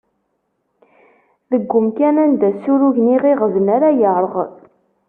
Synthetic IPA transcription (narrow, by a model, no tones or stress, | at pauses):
ðəɡʷːʊmkænænd̪æsuɾuʝniʁiʁəvənaɾajəɾˤəʁ